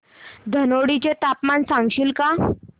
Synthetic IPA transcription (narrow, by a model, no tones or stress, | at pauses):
d̪ʱənoɽit͡ɕet̪apmansãŋɡɕiːlka